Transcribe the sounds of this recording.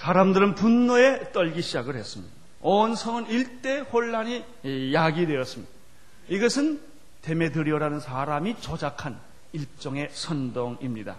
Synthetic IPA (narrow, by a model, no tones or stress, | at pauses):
sʰaːɾamdɯɾɯnpunːʌe̞t͈ʌʎɡiɕʰid͡ʑaɡɯɭhes͈ɯmɲida | ʌnsʰʌŋɯniɭt͈e̞hoɭːaɲi | jaɡidwe̞ʌs͈ɯmɲid̥a | iɡʌsʰɯn | te̞me̞dɯɾjʌɾanɯnsʰaɾamit͡ɕʌd͡ʑakʰan | iɭ̚t͡ɕ͈ʌŋe̞sʰʌndoŋimɲida̰